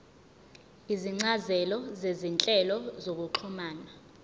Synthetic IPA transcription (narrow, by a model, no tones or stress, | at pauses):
iziŋ͡ǀazɛlɔzezint͡ɬʼɛlɔzok̬uǃʰumaːna